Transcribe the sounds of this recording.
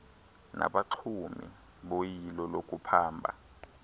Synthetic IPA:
nʔa̰ɓaǁʰumḭ | ɓojilɔlokʼupʰaːmbʱa̰

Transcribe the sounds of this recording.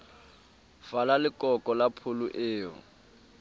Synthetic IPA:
falalɪkʼɔkʼɔlapʰʊlʊʔɪːɔ̰

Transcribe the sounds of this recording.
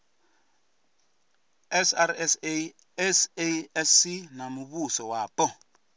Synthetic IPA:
ɛsaɾɛse | ɛseɛsinamuβusɔwapɔ

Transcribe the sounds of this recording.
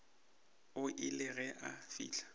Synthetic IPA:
ʊʔɪlɪɣɛʔafḭːlḁ

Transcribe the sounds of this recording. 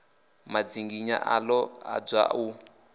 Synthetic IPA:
mad͡ziŋɡiɲa̰ʔalɔa̰b͡ʐa̰u

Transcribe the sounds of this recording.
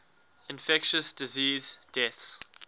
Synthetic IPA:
ɪ̃nfɛkʃəsd̥ɪziːzd̥ɛθs

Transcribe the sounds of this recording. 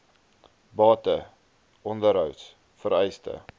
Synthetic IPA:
bɑːtə | ʔɔndəɾɦœwt | fəɾɛjstə̰

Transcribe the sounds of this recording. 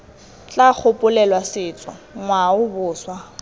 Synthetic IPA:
t͡ɬʼak͡xʰʊpʼʊlɛlwasɪːt͡sʼɔ̰ŋwaʊbʊːswa

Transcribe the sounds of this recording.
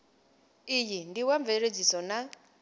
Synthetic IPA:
ijindiwaɱveɺed͡zisɔna

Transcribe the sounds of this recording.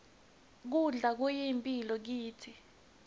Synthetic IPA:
k̬uɮak̬ɔjimpʼilɔk̬iːtʰi

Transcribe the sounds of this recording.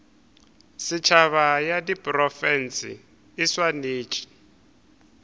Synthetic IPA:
sɪt͡ʃʰaβajadipʼrɔfɛnt͡sḭː | swaneːt͡ʃʼi̥

